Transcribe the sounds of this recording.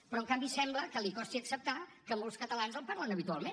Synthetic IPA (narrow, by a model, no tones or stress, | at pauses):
pɾɔəŋkambisɛmbləkəlikɔst̪iəksəp̚t̪akəmolˠskət̪əlanzəlˠpaɾlənəβit̪ualˠmen